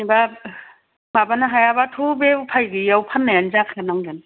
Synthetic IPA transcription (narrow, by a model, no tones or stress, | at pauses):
niba | babanaɦajabatʰubeupʰajɡɯjawpʰanːajanzakʰaanaŋdan